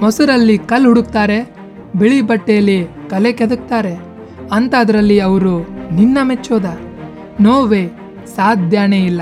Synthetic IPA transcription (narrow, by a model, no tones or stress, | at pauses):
mɐsuɾɐlːikɐlɦuɽukt̪aːɾe̞ | biɭibɐʈːejɐlːikɐleked̪uk̚t̪aːɾe̞ | ɐnt̪aːd̪ɐɾɐlːiɐʋɐɾuninːɐmet͡ʃːoːd̪ɐ | noːʋeː | saːd̪ʱjaːneilːɐ